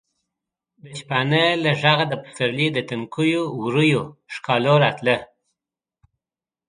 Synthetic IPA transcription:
d̪əʃpanəlaʐaɣad̪əpə̥səɾlid̪ət̪əŋkujowɾujoʂkɑloɾɑt̪lə

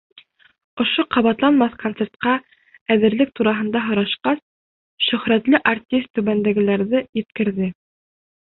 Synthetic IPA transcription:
ŏʃoqɑβɑt̪lˠɑnmɑθkont̪se̞ɾt̪̚qɑ | æðɘ̆ɾlɘk̚t̪uɾɑɦɤ̆nd̪ɑɦŏɾɑʃqɑs | ʃɵ̆χɾæt̪lɘʔart̪ʲist̪ːʉβænd̪æɡɘ̆læɾðɘjɘ̆t̪kɘ̆ɾðɘ

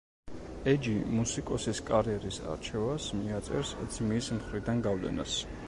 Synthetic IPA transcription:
ɛd͡ʒimusikʼɔsiskʼaɾiɛɾisa̰ɾt͡ʃʰɛvasmiat̪sʼɛ̰ɾsd̪z̥mismχɾid̪anɡavlɛ̰na̰s

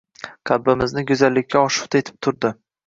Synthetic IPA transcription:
qʰalbɪmɪznɪɡʊzalːɪkʲʰːaɒʃɪ̥qt̪ʰaet̪ʰɪ̥p̚t̪ʰʊɾd̪ɪ

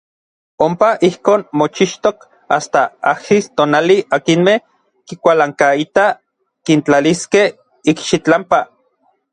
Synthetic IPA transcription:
ompaʔihkoːnmot͡ʃiʃt̪ok | ast̪aahist̪oːnaliakinmeh | kikʷalaŋkait̪a | kint͡ɬaliskeh | ikʃit͡ɬampa

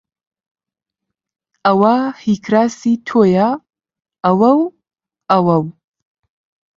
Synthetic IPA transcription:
awaħikʰɾasitʰojaː | waw | awaw

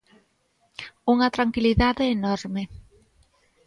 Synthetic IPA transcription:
uŋɐt̪ɾaŋkiliðaðeːnɔɾme

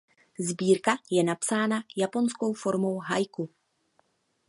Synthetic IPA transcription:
zbiːɾkajɛnapsaːnajapo̞nsko̞wfo̞ɾmo̞wɦajku

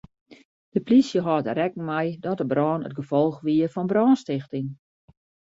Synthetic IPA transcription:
d̥əplisjəɦɔtərɛkn̩mɛjdɔtəbrɔːnə̰t̚ɡəfɔlˠxʋiərfɔnbrɔːnstɪxtɪŋ

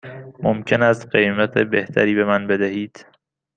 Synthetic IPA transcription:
momcʰe̞næst̪ɢejmæt̪ʰebe̞ht̪ʰæɾiːbe̞mænbe̞d̪æhiːd̪̥

